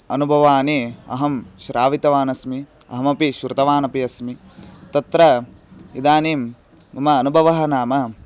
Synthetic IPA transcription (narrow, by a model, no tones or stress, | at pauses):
ɐnubʱɐʋaːniɐ̰ɦɐm | ʃɾaːʋit̪ɐʋaːnɐsmi | ɐ̰ɦɐmɐpiʃɾut̪ɐʋaːnɐpiɐsmi | t̪ɐt̪ɾɐ | id̪aːniːm | umɐːnubʱɐʋɐɦɐnaːmɐ